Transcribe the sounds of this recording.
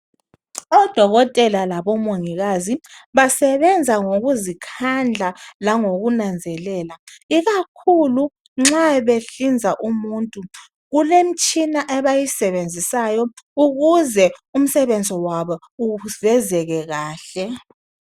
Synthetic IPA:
ɔd̥ʱɔɣɔtʼɛlalaβɔmoŋiɣaziβasɛβɛnd͡zʱaŋoɣuzikʰand͡ɮʱalaŋoɣunand͡zʱɛlɛːlaiɣakʰulu | ŋ͡ǁaβeɬind͡zʱaʔumuntʼu | ɣulem̩t͡ʃʼinaʔɛβajisɛβend͡zʱisajɔuɣuzɛum̩sɛβend͡zʱɔwaβɔ | uɣv̥ɛzɛɣɛɣaːɬɛ

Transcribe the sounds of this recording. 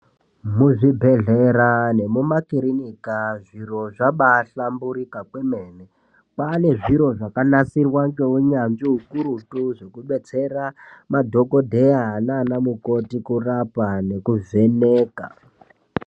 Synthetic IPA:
muʐibʱe̞ɮeɾane̞mumakiɾinikaʐiro̞ʐaɓaɬambuɾikakwemene | pane̞ʐiɾo̞ʐakanasirwaŋɡeuɲanʐiɦukuɾutuʐe̞kuɓe̞t͡se̞ɾamadʱo̞ko̞dʱe̞aɦanaːnamuko̞tikurapane̞kuve̞neːka̰

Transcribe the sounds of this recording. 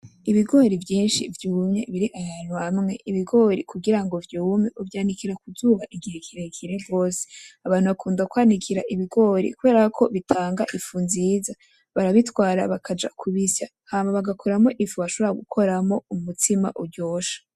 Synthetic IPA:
iβiɡo̞ːɾivjiːnʃḭvjuːmɲe̞βiɾiʔajan̥huamŋe̞ʔiβiɡo̞ːɾikuɡiɾaŋɡo̞vjumeʔuvjaːnikiɾakuzuːβaʔiɡihekʰiɾekʰiɾevɡo̞ːse̥aβaːn̥huβakʰuːndakwaːnikʰiɾaʔiβiɡo̞ːɾḭkuβe̞ːɾakʰo̞βitʰaːŋɡa̰ʔifunziːza | βaɾaβitwaːɾa̰βakʰad͡ʒa̰kʰuβisa | haːmaβaɡakʰoɾamo̞ʔifuβaʃo̞βoɾaɡukʰo̞ɾamo̞umutʰima̰ʔuɾɟoːʃḁ

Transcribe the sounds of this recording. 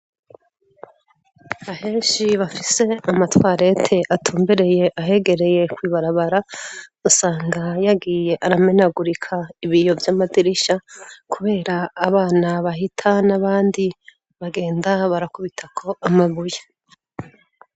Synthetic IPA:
hahe̞ːʃiβafise̞amatwaːɾe̞tʰe̞ʔatʰuːmbeɾe̞je̞ʔaɦe̞ɡe̞ɾe̞je̞kwiːβaɾaβaɾausaːŋɡajaɡiːje̞ʔaɾame̞naɡuɾikʰaiβijo̞vjaːmadiɾiʃakuβe̞ːɾaːβaːnaβaɦitʰanaβaːndi | βaɡe̞ːndaβaɾakuβitʰakʰo̞amaβuje

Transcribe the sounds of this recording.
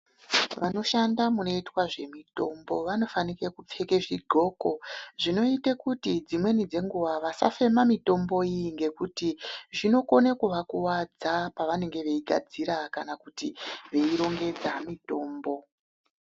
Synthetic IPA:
ʋano̞ʃandamuno̞itwaʐe̞mito̞mbo̞ʋano̞fanikekup͡fe̞keʐiɡʱo̞ːko̞ʐino̞itekutid͡zimwe̞nid͡ze̞ŋɡuʋaʋasa̰fe̞mamito̞mbo̞iŋɡe̞kutiʐino̞ko̞nekuʋakuwad͡zapaʋane̞ŋɡe̞ʋe̞iɡʱa̰d͡ziɾakanakutiʋe̞iɾo̞ŋɡe̞d͡zamito̞ːmbo̞

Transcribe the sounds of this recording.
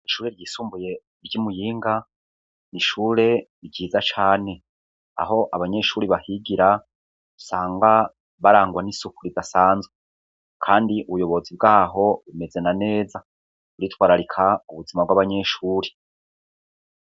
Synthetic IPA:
iʃuːɾe̞ɾɟiːsuːmbuje̞ | ɾɟimujiːŋɡa | niʃuːɾe̞ | ɾɟiːzat͡ʃaːne̞ | a̰ɦo̞ʔaβaɲe̞ʃuːɾiβahiɡiɾa | usaːŋɡa | βaɾaːŋɡwanisukuɾidasaːnzwe | kʰaːndiuβujo̞βo̞zib̚ɡaːɦo̞βume̞ze̞nane̞ːza | uɾitwaːɾaɾikʰauβuzimabɡwaβaɲe̞ʃuːɾi

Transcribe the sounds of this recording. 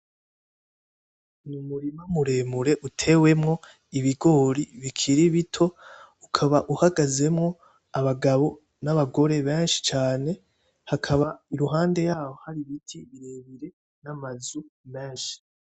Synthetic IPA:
numuɾimamuɾe̞ːmuɾe̞ʔutʰe̞ːwe̞mŋo̞ | iβiɡo̞ːɾiβikʰiɾiβitʰo̞ukʰaβaʔuhaɡaze̞mŋo̞ | aβaɡaβo̞ | naβaɡo̞ɾe̞βeːnʃi̥t͡ʃaːne̞ | hakʰaβaiɾuɦaːnde̞jaːwohaɾiβitʰiβiɾe̞ːβiɾe̞ | namazume̞ːnʃi̥

